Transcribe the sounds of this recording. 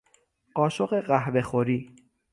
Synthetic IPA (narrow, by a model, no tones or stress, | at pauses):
ɢɒːʃoɢeɢæhbexoɾiː